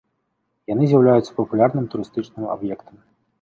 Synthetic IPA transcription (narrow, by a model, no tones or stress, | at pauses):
janɨzʲjawlʲajut̪sːɐpɐpulʲarnɨmt̪uɾɨst̪ɨt͡ʂnɨma̰bjɛkt̪ɐm